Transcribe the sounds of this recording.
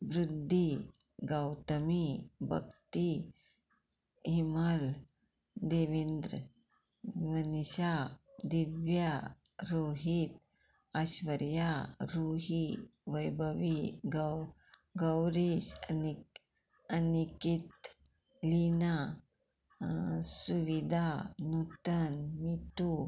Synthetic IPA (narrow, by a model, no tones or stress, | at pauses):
ʋɾud̪ʱːi | ɡawt̪əmibʱə̰kt̪i | ɦiməl | d̪eʋind̪ɾə | ʋəniɕad̪iʋja | ɾoːɦit̪ | əɕʋəɾjaɾoɦiʋəjbʱəʋiɡ | ɡəwɾiɕəni | ənikit̪ | lina | suʋid̪ʱanut̪ənmit̪u